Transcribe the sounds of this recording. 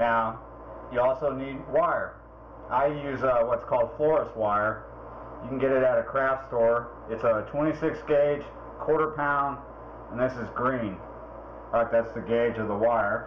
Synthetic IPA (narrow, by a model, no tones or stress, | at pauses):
naʊ | jɨɔlˠsoʊnid̚waɪə˞ | ʔaɪjʉzʌwʌtskʰɔlˠd̥flɔɹəswaɪə˞ | jɨkn̩ɡɛɾɨɾɨɾɨkʰɹ̥æfstɔɹ | ɨtsətʰw̥ɛ̃ɾ̃isɪksɡ̥eɪ̥ʒ̥ | kʰw̥ɔɹɾə˞pʰãʊ̃nd | ə̃nðɪsɨzɡɹĩn | ɹaɪk̚ðætsðɨɡeɪd͡ʒʌvðəwaɪə˞